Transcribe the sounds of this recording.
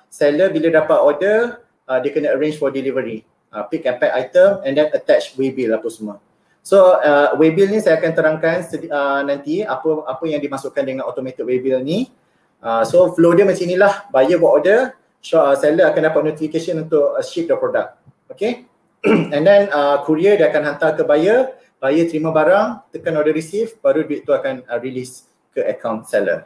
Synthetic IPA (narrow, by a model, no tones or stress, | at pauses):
sɛləbilədapat̪ɔdə | ədekənəəɾẽnd͡ʒfɔdilivəɾi | ʔəpikɛ̃mpɛt̪ajt̪əmɛ̃ndɛ̃nət̪ɛt͡ʃwebilapəsəmuə | soəwebilnĩsajakant̪əɾaŋkansəənãnt̪iapəapəjãŋdimasuʔkandəŋãnɔt̪omɛt̪ik̚webilnĩ | ʔəsoflodəmə̃nsinĩlahbajəwaʔɔdə | ʃɔsɛləakandapat̪̚nut̪ifikeʃənũnt̪ʊʔʃip̚dəpɾɔdak̚t̪̚ | oke | ɛ̃ndɛnəkʰuɾiədiakanɦant̪alkəbajə | b̥ajət̪ɾimãbaɾaŋt̪əkanɔdəɾisifbaɾuduiʔt̪uakanəɹilis | kəʔəkʰaw̃nsɛlə̰